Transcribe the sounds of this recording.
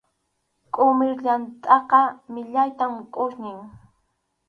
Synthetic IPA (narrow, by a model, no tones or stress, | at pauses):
kʼʊmɪɾʎant̪ʼɑqɑmɪʎajt̪amkʼʊʃnɪŋ